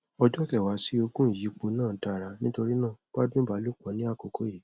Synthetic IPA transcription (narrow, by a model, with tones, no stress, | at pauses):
ɔ˧d͡ʒɔ̃˦kɛ˨wa˨˦si˦o˧kũ˦i˨ji˨˦k͡po˨˧˦nãː˦˨ta˨ɾa˨˦nĩ˦to˧ɾi˦nãː˦˨k͡pa˦dũ˦ba˨˦lu˦k͡pɔ˨˧˦nĩ˨˦a˦˨ko˨kʰo˦ji˨